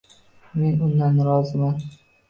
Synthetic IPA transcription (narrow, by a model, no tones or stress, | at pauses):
me̞nʊnd̪anːɾɒzɪman